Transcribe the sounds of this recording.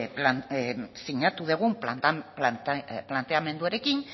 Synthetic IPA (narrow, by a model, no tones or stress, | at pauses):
plansiɲat̪uð̞eɣ̞ump̪plplant̪e̞ame̞nd̪uaɾe̞kin